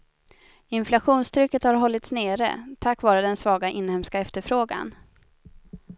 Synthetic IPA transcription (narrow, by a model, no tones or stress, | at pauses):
ɪnflaɧuːnst̪ʰɾʏkːət̪haɾɦɔlːɪt̪sneːɾə̰t̪ʰakːvɑːɾəd̪ɛnsvɑːɡaʔɪnːhɛmskaɛft̪əɾfɾoːɡa̰n